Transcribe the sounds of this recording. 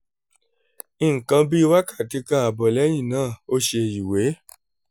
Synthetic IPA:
i˦˨ŋ̩˨kã˧bi˦˧˦wa˦ka˦˨ti˧˦kã˧˦a˨bɔ˨lɛ˨˦j̃ĩ˦˨nãː˦˨o˦ʃe˧˨ji˨we˨˦

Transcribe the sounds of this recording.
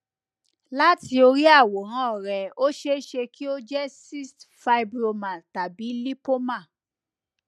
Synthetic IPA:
la˦ti˧o˧ɾi˦a˦˨wo˨ɦã˨˦ɔ˦˨ɾɛ˨o˦ʃe˦ʃe˧kʰi˦o˦d͡ʒɛ˦si˦stfa˧jbɾo˧mã˨ta˨bi˨˦li˦po˦mã˦˨

